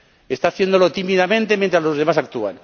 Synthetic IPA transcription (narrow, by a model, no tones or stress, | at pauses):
e̞st̪aːθje̞nd̪o̞lo̞t̪imiðamẽnt̪e̞mjent̪ɾazlo̞zðe̞masak̚t̪ua̰n